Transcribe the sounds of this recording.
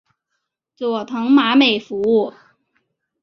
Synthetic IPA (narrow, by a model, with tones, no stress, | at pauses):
t͡swɔ˨˩t̪ʰɤ˧˥ŋma˧˥me˨˩ɪfu˧˥u˥˩